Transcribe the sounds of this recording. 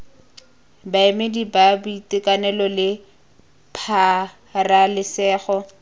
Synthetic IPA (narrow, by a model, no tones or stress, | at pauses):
baemedibabuitɪkanɛlɔlɪ | pʰa | ralɪsɛːχɔ